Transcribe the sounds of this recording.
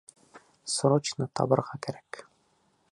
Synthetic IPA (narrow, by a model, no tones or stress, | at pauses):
sɾot͡ɕnɤt̪ʰɑ̰bɤ̆ɾʁɑkæɾæ̥k